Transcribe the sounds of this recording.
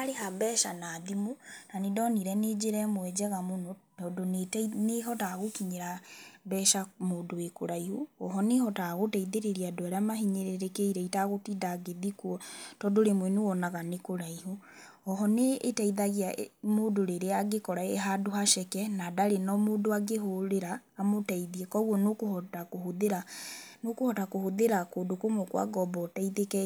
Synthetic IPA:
aɾeɦabɛːʃanaːðimonanidɔniɾɛned͡ʒeɾɛmwɛd͡ʒɛɣamonɔtɔːdonetneɦɔtaɣokiɲeɾabɛːʃamoːdowekoɾaihoɔɦɔnehɔtaɣotɛiðeɾeɾiadoaɾamaɦiɲeɾeɾekeiɾɛitaɣotidaɡeðikuɔtɔdoɾemwɛnuwɔnaɣanekoɾaiho | ɔɦɔneːtaiðaɣeamoːdoɾeɾeaɡekɔɾaeɦadohaʃɛkɛnadaɾenɔmoːdoaɡeɦoɾeɾaːmotɛiðiɛkɔɣuɔnokohɔtakohoðɾanokohɔtakohoðeɾakoːdokomokwa̰ɡɔbɔtaiðekɛ

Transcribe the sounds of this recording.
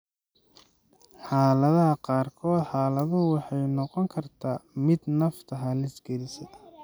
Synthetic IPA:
ħɑːlɐðɐɦɐqɑːrkʰɔːd̪ħɑːlɐðʊwɑħɑjnɔqɔŋkʰɐrt̪ʰaːmɪd̪nɐft̪ʰɐɦɐlɪsɡɛlɪsɐ

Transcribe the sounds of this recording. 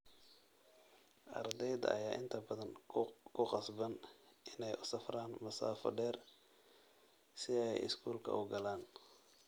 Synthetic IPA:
ʔɐ̰rd̪ɛjðɐʔɐ̰jaːʔɪnt̪ʰɐbɐðɐnkʰʊqɑsbɐnʔɪnɛjʔʊsɐfraːnmʊsa̰ːfɐ̰ɖɛːr | sɪɛjɪ̰skʰuːlkʰɐ̰ʔʊɡɐlaːn

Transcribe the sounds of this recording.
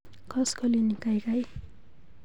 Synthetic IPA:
kʌskolinikajkaj

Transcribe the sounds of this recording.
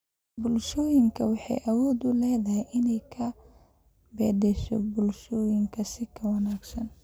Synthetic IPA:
bʊlʃɔːjɪŋkʰɐwɑħɑ̰jʔɐwɔːd̪ʊlɛːðɐɦɛjʔɪnɛjkʰɐ | bɛːd̪ɛʃɔ̰bʊlʃɔːjɪŋkʰɐsɪkʰɐwɑnaːɡsɐn

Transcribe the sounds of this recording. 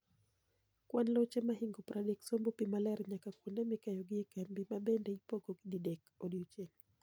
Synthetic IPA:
kwanlɔt͡ʃɛmaɦiŋɡopɾʔadɛksɔmbɔpimalɛɾɲakakwundɛmikajɔɡɪɛkambimabɛndɛipɔɡɔɡididɛkodit͡ʃɛŋ

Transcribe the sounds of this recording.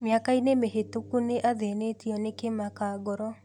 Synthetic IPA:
mjakainemeɦetukuneʔaðenetiɔnekemakaɡɔɾɔ

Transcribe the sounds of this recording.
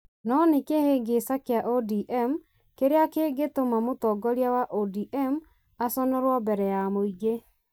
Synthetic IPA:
nɔnekeheɡesakeaʔodiʔɛm | keɾeakeːɡetomamotɔɡɔɾiawaʔodiʔɛm | asɔnɔɾwɔbɛɾɛjamoiɡe

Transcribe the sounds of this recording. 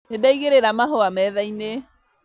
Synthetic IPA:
nedaiɣeɾeɾamaɦoamɛðaine

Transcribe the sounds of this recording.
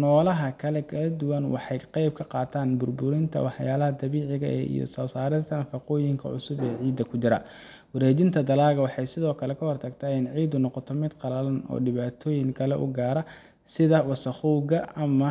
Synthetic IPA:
nɔːlɐɦɐkʰɐlɛkʰɐlɐd̪ʊwɐnwɑ̰ħɑjqɛjb̚kʰɐqɑːt̪ʰaːnbʊrbʊɾɪnt̪ʰɐ̰wɑħjaːlɐɦɐd̪ɐβiːʕɪɣɐ̰ɛ̰ḭjɔ̰sɔːsaːɾɪt̪ʰɐnɐfɑqɔːjɪŋkʰɐ̰ʕʊ̰sʊbɛːʕiːd̪ːɐkʰʊt͡ʃɪɾɐ | wʊɾɛːd͡ʒɪnt̪ʰɐd̪ɐlaːɣɐwɑħɑjsɪðɔːkʰɐlɛkʰɐhɔrt̪ʰɐɡt̪ʰaːɪnʕiːd̪ʊnɔqɔt̪ʰɔmɪd̪qɑlɐlɐnɔ̰ːɖɪβaːt̪ʰɔːjɪŋkʰɐlɛ̰ʔʊ̰ɡaːɾɐ | sɪðɐwɑsɐχuːɣɐɐmɐ

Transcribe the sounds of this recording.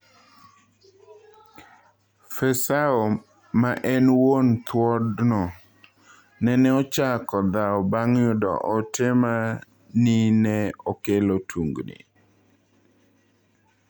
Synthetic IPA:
fɛsaɔ | maʔɛnwont̪wɔdnɔ | nɛnɛɔt͡ʃakɔd̪aɔbaŋjʊdɔ̰ʔɔtɪma | ninɛɔkelotʰuŋɡnḭ

